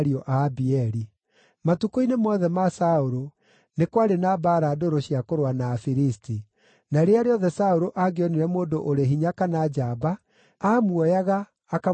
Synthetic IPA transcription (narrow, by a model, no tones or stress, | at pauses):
ɾiɔʔabiɛɾi | matukoinemɔðɛmasaoɾo | nekwaɾenabaːɾadoɾoɕijakoɾwanaːfiɾisti | naɾeaɾeɔðɛsaoɾoʔaɣeɔniɾɛmoːdoʔoɾeɦiɲakanad͡ʒabaː | mwɔjaɣaː | ka